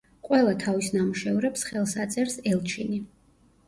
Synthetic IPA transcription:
qʼwɛlˠat̪ʰavisnamuʃɛvɾɛpsχɛlˠsat̪sʼɛɾsɛlˠt͡ʃʰini

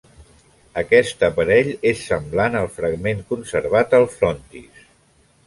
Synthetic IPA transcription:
əkɛst̪əpəɾɛʎesːəmblanəlˠfɾəɡmeŋkunsəɾβ̞at̪əlˠfɾɔnt̪ḭs

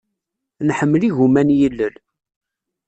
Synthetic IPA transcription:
nħəmːliʝumænjəlːəl

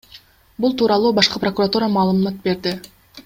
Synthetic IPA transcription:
bulˠt̪ʰuːɾɑlˠuːbɑʃqɯpro̞kurat̪uːɾəmɑːlˠɯmmɑt̪̚be̞ɾd̪ɪ

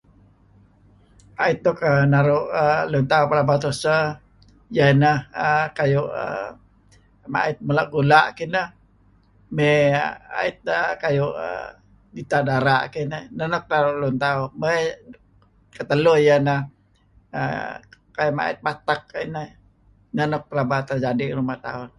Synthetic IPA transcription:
ait̪̚dokənaɾuʔəlunt̪aupalabat̪usə | janəhəkajuʔə̰ | ma̰ɪt̪̚mulaʔɡulaʔkinəh | mea̰ɪt̪̚əkajuʔə̰ | dit̪adaɾaʔkinənənɔk̚t̪aɾʊʔlunt̪aʊme | kət̪əlʊjanəh | ə̰ | kajʊma̰ɪ̰t̪̚pat̪ak̚inəh | nənɔk̚pəlabat̪ərd͡ʒadiɾumaht̪a̰ʊn

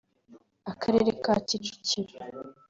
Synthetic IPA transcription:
akʰaɾeɾekacit͡ʃu̥ciɾe

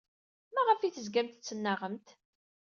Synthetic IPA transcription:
mæʁəfiθəzɡæmt̪t͡sːənːəʁəmt̪

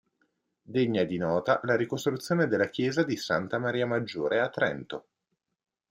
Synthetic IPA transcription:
d̪eɲːad̪inɔːt̪alaɾikost̪ɾut̪sːjoːned̪elːak̟jɛːzad̪isant̪amaɾiːamad͡ʒːoːɾeat̪ːɾɛ̰nt̪o

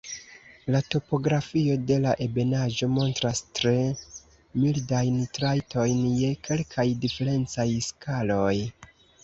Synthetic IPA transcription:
lato̞po̞ɡɾafio̞de̞laʔe̞be̞naʒo̞mo̞ntɾastɾe̞ | mildajntɾajtʰo̞jnje̞kʰe̞lkʰajdife̞ɾe̞nt͡sajskʰalo̞j

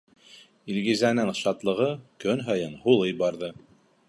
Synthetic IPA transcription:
ilɣizænɘŋʃɑt̪lˠɤ̆ʁɤkɵnɦɤ̆jɤnhulˠɤjbɑɾðɤ

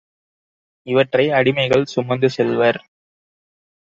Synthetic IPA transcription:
ɪʋɐʈrɐɪɐɽɪmɐɪɣɐɭsʊmːɐnd̪ɯsɛlʋɐɾ

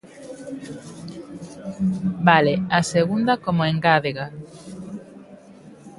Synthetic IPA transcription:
baleaseɣund̪ɐkomoeŋɡaðeɣa

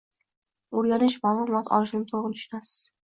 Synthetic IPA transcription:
oɾɡʲanɪʃmaːlˠʊmɒt̪ʰɒ̰lˠɪʃɪnɪt̪ʰoʁnt̪ʰʊ̥ʃʊnasɪ̥z̥

